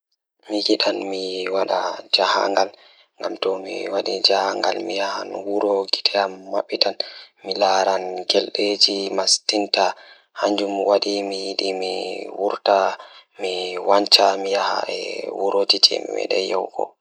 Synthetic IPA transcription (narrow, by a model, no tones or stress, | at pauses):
miɡiɗanmiwaɗad͡ʒaha̰ŋɡal | ŋɡamtɔmḭwaɗid͡ʒahaŋɡalmijahanwuɾɔɡi̥tɛamːaɓːitanmilaɾanɡɛlɗed͡ʒimastinta | haɲd͡ʒumwaɗimijiɗimiwuɾtamiwaɲt͡ʃamijaha̰ɛ̰wuɾod͡ʒid͡ʒɛ̰mḭmɛ̰ɗɛ̰jɛwɡɔ̰